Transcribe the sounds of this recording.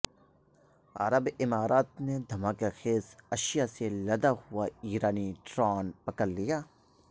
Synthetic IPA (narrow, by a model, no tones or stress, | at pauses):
ɐ̰ɾəbɪmaːɾaːt̪̚ned̪ʱɐmaːkexeːsɐʃɪjaselɐd̪ahʊaiːɾaːniʈɾaːnpɐkəlːijaː